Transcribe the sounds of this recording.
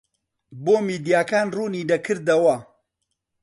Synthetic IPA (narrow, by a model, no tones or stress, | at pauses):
boːmiːd̪ijaːkaːnruːniːd̪ɐkʰɨɾd̪ɐwɐ